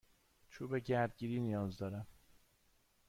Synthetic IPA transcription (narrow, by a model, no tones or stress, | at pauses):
t͡ʃʰuːbeɟæɾd̪̚ɟiːɾiːnijɒːzd̪ɒːɾæm